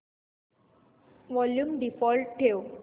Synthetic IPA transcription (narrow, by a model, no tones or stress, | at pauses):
ʋɔljumɖifɔːlʈ̚ʈʰːeo